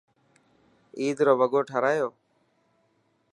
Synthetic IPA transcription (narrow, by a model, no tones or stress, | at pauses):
iːd̪ɾoːbəɡoːʈʰəɾaːjoː